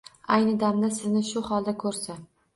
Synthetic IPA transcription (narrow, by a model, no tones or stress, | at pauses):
ajnɪd̪amd̪asɪznɪʃʊhɒlˠd̪akʰɵɾsa